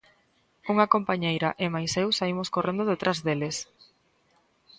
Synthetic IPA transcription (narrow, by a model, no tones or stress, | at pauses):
uŋakompaɲejɾaʔɪmajsewsaimoskorend̪oðet̪ɾʔazðeles